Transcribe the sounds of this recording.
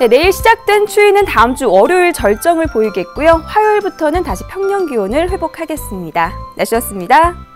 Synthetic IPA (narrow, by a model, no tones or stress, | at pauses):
ne̞ne̞iɭɕʰid͡ʑak̚t͈we̞nt͡ɕʰuinɯntaɯmt͡ɕ͈uʌɾjoiɭt͡ɕʌɭt͡ɕ͈ʌŋɯɭpoiɡe̞t̚k͈ujoɸajiɭbutʰʌnɯntaɕʰi̥pʰjʌŋɲʌŋɡionɯɭɸwe̞bokʰaɡe̞s͈ɯmɲidanʔaɕʰiʌs͈ɯmɲida